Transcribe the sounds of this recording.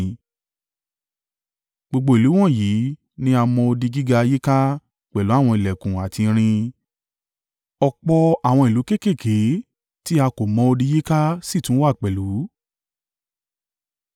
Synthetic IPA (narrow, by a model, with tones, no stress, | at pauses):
ɡ͡bo˧ɡ͡bo˧i˨lu˨˦w̃ɔ̃˦˨ji˨˦ | nĩ˦a˧mɔ̃˧o˧di˧ɡi˦ɡa˧je˦ka˦ | k͡pɛ˨lu˨˦a˦˨w̃ɔ̃˧i˨lɛ˨kũ˨a˨tĩ˧ɾ̃ĩ˧ | ɔ˧k͡pɔ˧a˨w̃ɔ̃˧i˨lu˨˦ke˦˨ke˦˨kʰe˨˦ | ti˦a˧ko˨mɔ̃˧o˧di˧je˦ka˦si˦˨tũ˨˦wa˦˨k͡pɛ˨lu˨˦